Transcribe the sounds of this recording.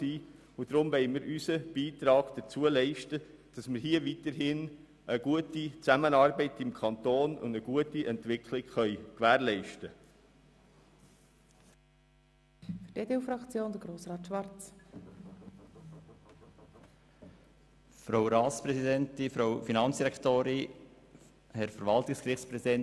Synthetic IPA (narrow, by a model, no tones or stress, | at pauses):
iː | ʊd̥ɾʊmʋɛɪmiːɾʔysəb̥iːtɾɑːɡ̥d̥ət͡suəlɛɪʃtə | d̥ɑsmɪɾhiəviːtəɾɦɪn | ʔəɡ̥uətit͡sæmənɑɾbɛɪtɪmkʰɑntoːnʊ̰ndəɡuətiʔɛntʋɪkʰlɪɡχœʏkʋæːɾlɛɪʃtə | fʏdedeufɾɑkt͡sjoːnd̥̪əɾɡɾoːsrɑːt̪ʃʋɑɾt͡s | fɾoʊɾɑːspɾɛsidɛnt̪ifɾowfinɑnt͡sd̥iɾɛkt̪oːɾɪ | hɛɾfəɾʋɑlt̪ɪkskɾɪχt͡sspɾɛsidɛn